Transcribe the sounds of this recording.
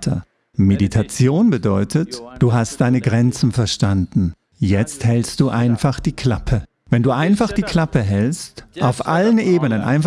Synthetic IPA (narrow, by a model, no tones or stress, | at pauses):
tʰɐ̰ | meditʰat͡sjoːnbədɔʏtʰətd̥uːɦast̚d̥aɪnəɡʁɛnt͡sn̩fɛɐʃtandn̩ | jɛt͡sthɛlst̚d̥uːʔaɪnfaχd̥iːkʰl̥apʰə | vɛnduːʔaɪnfaχd̥iːkʰl̥apəɦɛlstʔaʊfʔalənʔeːbənənʔa̰ɪnf